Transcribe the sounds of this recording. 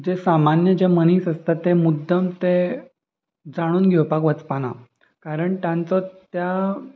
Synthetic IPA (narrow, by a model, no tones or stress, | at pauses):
d͡ʑesamanjəd͡ʑeməniːsəst̪at̪ːemud̪ʱːəmt̪e | d͡zaɽ̃uːnɡʱɛwpakʋət͡spana̰ | kaɾəɳt̪jãnt͡sɔt̪ja